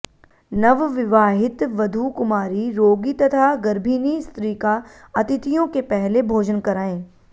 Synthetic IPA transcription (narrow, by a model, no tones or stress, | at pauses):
nɐʋʋɪʋaːɦɪt̪ʋɐd̪ʱukʊmaːɾiɾoːɡit̪ɐt̪ʰaɡɐɾbʱiːnist̪ɾiːka | ɐt̪ɪt̪ijõkepɛɦlebʱoːd͡ʒənkɐɾaːẽː